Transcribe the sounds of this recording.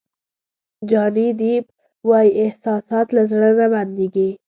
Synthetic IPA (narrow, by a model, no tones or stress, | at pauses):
d͡ʒɑnid̪ib | wɑjiʔɪhsɑsɑt̪lazɽənaband̪iɡi